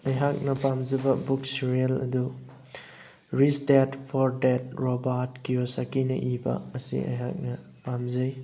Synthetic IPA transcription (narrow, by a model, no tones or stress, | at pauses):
ɐjɦak̚nɐpamzɐbɐbuksiɾiɐlɐ̰du | ɾistetpʰɔɾdet̚ɾobaɾtkiosakinɐ̰ʔibɐ̰ːsḭɐ̰jɦa̰k̚nɐ | pamzɐj